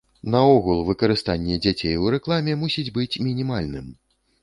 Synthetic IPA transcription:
nɐɔɣulˠvɨkɐɾɨst̪anʲːɛd͡zʲat͡sʲejwɾɛklˠamʲɛmusʲid͡zʲbɨt͡sʲmʲinʲimalʲnɨm

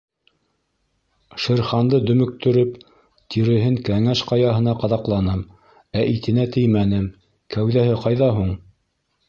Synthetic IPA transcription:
ʃɘ̆ɾχɑnd̪ɤd̪ɵ̆mɵ̆k̚t̪ɵ̆ɾɵp | t̪ʰiɾɘ̆ɦɘŋkæŋæʃqɑjɑɦɤ̆n̪ɑqɑðɑqlˠɑnɤm | æʔit̪ɘ̆næt̪ɘjmænɘm | kæwðæhɘqɑjðɑɦuɴ

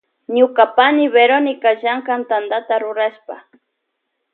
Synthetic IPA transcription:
ɲʊkapanɪβeɾonɪkaʒaŋkant̪and̪at̪aɾʊɾaʃpa

